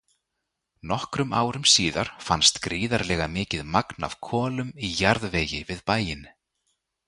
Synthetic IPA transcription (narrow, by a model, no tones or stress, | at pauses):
nɔhkɾʏma̰ːwɾʏmsiːðaɾ̥fanst̪kɾiːðaɾlɛːɣamɪːcɪðmakna̰v̥kʰɔːlʏmijaɾðveːjɪvɪðpaːjɪn